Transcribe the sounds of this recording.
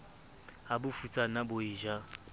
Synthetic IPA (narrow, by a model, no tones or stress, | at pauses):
abʊfut͡sʼanabʊɪːʒa